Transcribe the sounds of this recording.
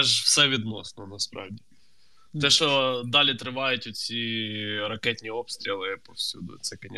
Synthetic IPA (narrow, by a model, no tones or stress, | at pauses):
ɛʒwsɛʋʲid̪nɔ̰snɔnɐspɾɑ̰wdʲi | t̪ɛʃɔd̪ɑlʲit̪ɾɪʋɑjʊtʲʊt̪ʲsʲiɾɐkɛt̪ʲnʲiɔpst̪ɾʲilˠɪpɔfsʲṵd̪ʊ̰t̪sɛkɐnʲɛ